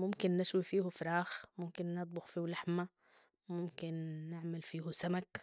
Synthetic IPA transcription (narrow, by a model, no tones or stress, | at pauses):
mʊmkɪnːɪʃwifiːhufɾˤɑːxmʊmkɪnːɑt̪̚ˤbʊxfiːhlaħma | mʊmkɪnːɪʕmɪlfiːhusamak